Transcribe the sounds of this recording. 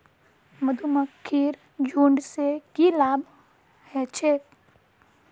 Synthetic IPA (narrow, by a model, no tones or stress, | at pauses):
məd̪ʱuməkʰːiːɾ | d͡ʒuːɳɖsekilaːb | hɛːt͡ʃʰeː